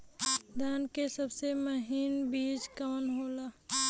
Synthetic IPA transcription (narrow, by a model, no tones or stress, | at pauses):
d̪aːnkesɐbseməɦiːnbiːd͡ʒkəːnɦoːlaː